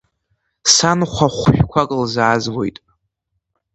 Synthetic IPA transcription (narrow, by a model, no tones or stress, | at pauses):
sanχʷaχʷʃᶣkʷʰakʼlzaːzwo̞̰jtʼ